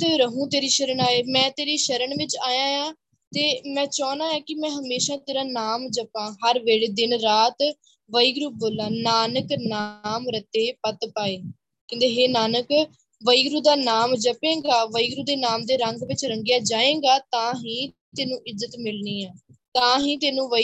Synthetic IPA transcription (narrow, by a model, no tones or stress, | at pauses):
ɾəɦũːt̪eːɾiːʃəɾəɳaːeːmɛ̃ːt̪eːɾiːʃəɾəɳʋɪt͡ʃaːjãːjãː | t̪eːmɛ̃ːt͡ʃɔːnaːɛ̃ːkɪmɛ̃ːɦəmeːʃãːt̪eːɾaːnaːmd͡ʒəpãːɦəɾʋeːɽeːd̪ɪnɾaːt̪ | ʋəiːɡɾuːboːlãːnaːnəknaːmɾət̪eːpət̪paːeː | kɪ̃nd̪eːɦeːnaːnək | ʋəiːɡɾuːd̪aːnaːmd͡ʒəpẽːɡaːʋəiːɡɾuːd̪eːnaːmd̪eːɾəŋɡʋɪt͡ʃɾəŋɡɪjaːd͡ʒaːẽːɡaːt̪ãːɦĩː | t̪eːnũːʔɪzːət̪mɪlniːãːt̪ãːɦĩːt̪eːnũːʋə